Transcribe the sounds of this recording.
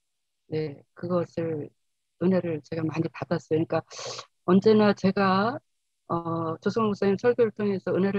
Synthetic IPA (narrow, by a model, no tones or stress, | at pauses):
ne̞kɯɡʌsʰɯɭ | ɯnɦe̞ɾɯɭt͡ɕe̞ɡamaɲipadas͈ʌjoɲik͈a | ʌnd͡ʑe̞nat͡ɕe̞ɡa | ʌt͡ɕosʰʌŋmok̚s͈aŋinsʰʌɭɡjoɾɯɭtʰoŋe̞sʰʌɯnɦe̞ɾɯ